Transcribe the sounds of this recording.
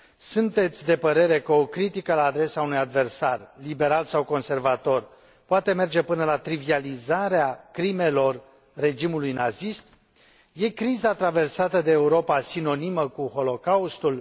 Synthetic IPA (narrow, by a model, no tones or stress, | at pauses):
sunt̪e̞t̪sʲd̪e̞pəɾe̞ɾe̞kəokɾit̪ikəlaːd̪ɾe̞saunujad̪ve̞rsarlibe̞ɾalsawko̞nse̞rvat̪o̞r | poat̪e̞me̞rd͡ʒe̞pɨnəlat̪ɾivializaɾeakɾime̞lo̞rː | e̞d͡ʒimulujnazist̪ | je̞kɾizat̪ɾave̞rsat̪əd̪e̞ːuɾo̞pasino̞niməkuho̞lo̞kaust̪ul